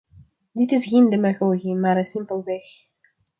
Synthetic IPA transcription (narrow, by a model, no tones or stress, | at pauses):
dɪtɪsɣeːndemaɣoːɣimaːɾənsɪmpəlˠʋɛx